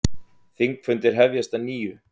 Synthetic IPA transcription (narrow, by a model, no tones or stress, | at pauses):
θiŋkfʏnt̪ɪɾ̥ɦɛvjast̪aniːjʏ